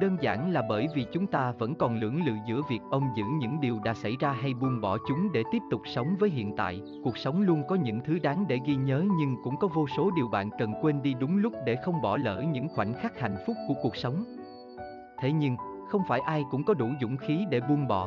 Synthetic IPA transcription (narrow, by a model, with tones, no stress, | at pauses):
ɗəː˧nza̰ː˧˩nlaː˨˩ɓəː˧˩jvi˨˩t͡ɕʊ˨˦ŋ͡mt̪aː˧və̰˧˥nkɔ˨˩nlɨ̰˧˩əŋlɨ̰˧˨zɨ̰˧˥əvi˨˩ək̚ʔə˧wŋ͡mzɨ̰˧˥ɲɨ̰˧˥ŋɗi˨˩əwɗa̰ː˧˥sa˧˩jzaː˧ɦa˧jɓu˧ənɓɔ˧˩t͡ɕʊ˨˦ŋ͡mɗe˧˩t̪i˦˥əp̚t̪ʊ˨˩k͡p̚sə˨˦wŋ͡mvəː˨˦jɦḭ˧˨ənt̪a̰ː˧˨jʔ | ku˨˩ək̚sə˨˦wŋ͡mlu˧ənkɔ˨˦ɲɨ̰˧˥ŋt̪ʰɨ˨˦ɗaː˨˦ŋɗe˧˩ɣi˧ɲəː˨˦ɲɨ˧ŋkʊ̰˧˥ŋ͡mkɔ˨˦vo˧so˨˦ɗi˨˩əwɓa̰ː˧˨nkə˨˩nkwe˧nɗi˧ɗʊ˨˦ŋ͡mlʊ˦˥k͡p̚ɗe˧˩xə˧wŋ͡mɓɔ˧˩lə̰ː˧˩ɲɨ̰˧˥ŋxwa̰˧˩jŋ̟xaː˦˥k̚ha̰˧˨jn̟fʊ˦˥k͡p̚ku˧˩əku˨˩ək̚sə˨˦wŋ͡m | t̪ʰe˨˦ɲɨ˧ŋxə˧wŋ͡mfaː˧˩jʔaː˧jkʊ̰˧˥ŋ͡mkɔ˨˦ɗu˧˩zʊ̰˧˨ŋ͡mxi˨˦ɗe˧˩ɓu˧ənɓɔ˧˩